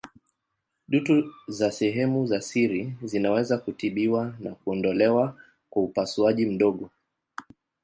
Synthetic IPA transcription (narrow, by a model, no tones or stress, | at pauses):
ɗutuzasɛɦɛmuzasiɾizinawɛzakutiɓiwanakuɔndɔlɛwa | kwaupasuaʄim̩ɗɔɠɔ